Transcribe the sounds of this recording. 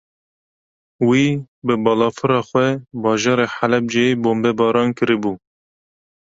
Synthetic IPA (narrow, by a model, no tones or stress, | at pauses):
wiː | bɨbɑːlɑːfɨɾɑːxwɛbɑːʒɑːɾeːħalɛb̚d͡ʒeboːmbɛbɑːɾɑːnkɨɾɨbuː